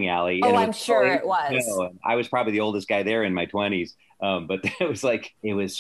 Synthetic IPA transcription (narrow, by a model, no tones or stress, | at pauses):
ŋælˠiɨ̃ɪʌ̃mʃʔwʌoʊɨ̃na̰ɪwʌz̥pʰɹ̥ɑbəbliðioʊlˠdɨs̚ɡ̥aɪðə˞ɨ̃nmaɪtʰw̥ɛ̃ɾ̃iz̥ | ʔʌ̃mbʌt̪̚ðɨt̚wʌz̥laɪkɪt̚wʌz̥